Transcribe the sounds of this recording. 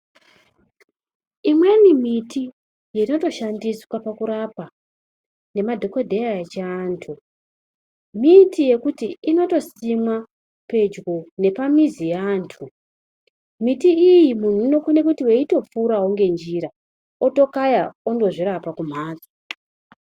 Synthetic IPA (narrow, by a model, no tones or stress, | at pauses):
imwe̞nimiti | jeino̞to̞ʃandiswapakuɾapa | ne̞madʱo̞kodʱeat͡ʃeːntʰu | mitʰije̞kutiino̞to̞simwa | pe̞d͡ʒɡone̞pamizijaːntʰu | mitiijimun̤uino̞kune̞kutiweito̞p͡fuɾaɦoŋɡe̞nd͡ʒiɾa | oto̞kajaondo̞ʐiɾapakum̤aːd͡za